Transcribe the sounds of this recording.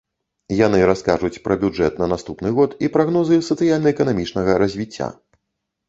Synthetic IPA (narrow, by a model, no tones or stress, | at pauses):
janɨɾaskaʐut͡sʲpɾɐbʲuʐɛ̰t̪nɐnast̪upnɨɣɔt̪ipɾaɣnɔzɨsɐt̪sɨjalʲnɐɛkɐnamʲit͡ʂnɐɣɐɾɐzʲvʲit͡sʲːa̰